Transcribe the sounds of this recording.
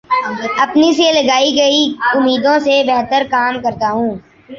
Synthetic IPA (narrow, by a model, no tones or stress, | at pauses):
ɐpniselɐɡaːiɡɐiʊmiːd̪õsebɛɦt̪əɾkaːmkɐɾt̪aɦũː